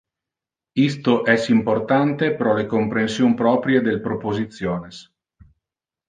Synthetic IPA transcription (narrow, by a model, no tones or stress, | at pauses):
ist̪oʔɛsimport̪ant̪epɾɔlekompɾensjompɾɔːpɾjed̪elpɾopozit̪sːjoːnes